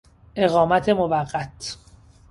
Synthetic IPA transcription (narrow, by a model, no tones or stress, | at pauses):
ʔe̞ɣɒːmæt̪ʰe̞movæɢːæt̪ʰ